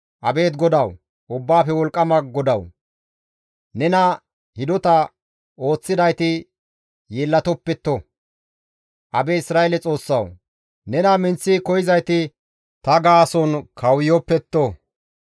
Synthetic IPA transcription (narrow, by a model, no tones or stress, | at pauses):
ʔɐbe̞ːt̪ɡɔd̪ɐw | ʔʊbːaːfɛwɔlkʼːɐmɐɡɔd̪ɐw | nɛnɐ | hɪd̪ɔt̪ɐ | o̞ːt͡sːɪd̪ɐjt̪ɪ | jeːlːɐt̪ɔpːɛt̪ːo | ʔɐbɛɪsɾaːʔelɛt͡sʼo̞ːsːɐw | nɛnɐmɪnt͡sːikɔjɪzɐjt̪ɪ | t̪ɐɡaːsɔnkʰɐwjɔpːɛt̪ːo